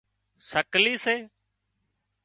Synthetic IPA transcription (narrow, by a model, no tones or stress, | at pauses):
səkliːseː